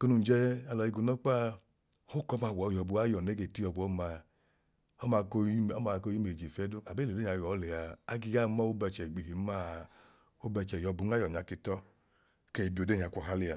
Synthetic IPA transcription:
ko˧nu˨n̩˨d͡ʒɛ˦a˧lɔ˨i˧ɡu˨˧˨nɔ˦k͡pa˦ | ho˦kɔ˨˦ma˧˨wɔ˨˦jɔ˨˧bu˨˧a˦jɔ˨ne˨˦ɡe˧˨ti˦jɔ˨˧bu˨˦ɔ˦ma˧˨ | ɔ˦ma˧ko˧˦ɔ˦ma˨˧˨ko˧ji˦me˨d͡ʒi˨fɛ˦du˦a˨be˦˨de˦˨a˧˨jɔ˨˦le˨a˧a˦ɡi˧ja˦˨˦mɔ˦o˦bɛ˧t͡ʃɛ˨ɡ͡bi˨i˨˦ma˦˨ | o˦bɛ˧t͡ʃɛ˨jɔ˧bu˧˦a˦jɔ˨ɲa˨˦ki˧tɔ˦ | ke˧i˨bi˨o˨˧de˦˨ɲa˨kʷɔ˨ɦa˦li˦a˧˨

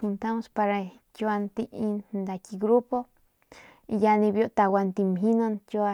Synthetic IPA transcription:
u˧nt̪a˦mo˧spa˧ɾa˧ | kjwa˧nt̪i˧i˧nnd̪a˧ki˧ɡɾu˦po˦ | i˧ja˧nĩ˧bjo˧t̪a˧wa˧nt̪i˧mɦi˦no˦˧nkjo˧a˧

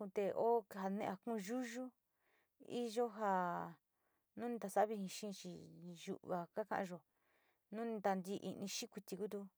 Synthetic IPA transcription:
ũ˧t̪e˧o˦˧ɦa˧nḛ̃˧a˧kũ˦˧ʒu˦ʒu˦ | ḭ˦ʒo˦ɦa˧ | nũ˦nĩ˧t̪a˧sa˦βi˧hĩ˧ʃĩː˦˧t͡ʃi˧ʒṵ˨ʔβa˨ka˦kã̰˧ʔã̰˧ʒo˨ | nũ˦nĩ˧t̪a˧nd̪i˧ʔḭ˧nĩ˧ʃĩ˦kʷi˧t̪i˧ku˦t̪u˧

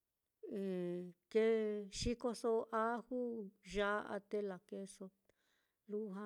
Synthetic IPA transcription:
e˨t̪e˦ʃi˦ko˧so˧ʔa˦hu˦ʒa˦ʔa̰˧t̪e˦la˨ke˧so˧ | lu˦ɦã˦˧

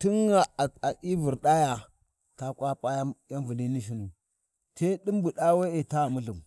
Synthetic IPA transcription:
ti˦ŋa˨a˨i˦vi˨ɾɗa˦ja˨ | ta˦kʷa˦pʼa˦ja˦ja˦nvu˨ni˦ni˦ʃ̬i˦nu˨ | se˦ɗi˦m˦bu˨ɗa˦we˦e˨ta˦˨mu˦ɬu˨m

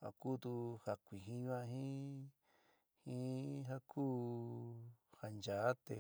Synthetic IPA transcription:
a̰˨kuː˦t̪u˧ha˨kʷi˨ɦĩ˧ɲũ˦ã˧ɦĩ˦ | hĩ˦ɦa˦kʰuː˦ | ha˨nd͡ʒa˨˦t̪e˧˨

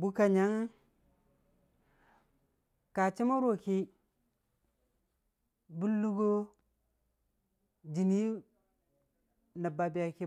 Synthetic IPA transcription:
bu˦ka˨ɲa˦ŋ˦ | ka˨t͡ʃi˦ma˦ɾo˦˨ki˦ | bu˦lːu˦ɡo˦ | d͡ʒi˨ni˦ | na˨ba˨bi˨ja˨ki˦

